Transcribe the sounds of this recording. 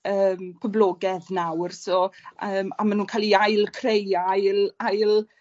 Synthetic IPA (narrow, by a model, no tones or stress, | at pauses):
əːmpʰəblɔːɡɛðnawrsɔəːmamanuːnkʰaːliajlˠkʰrejajlajlˠ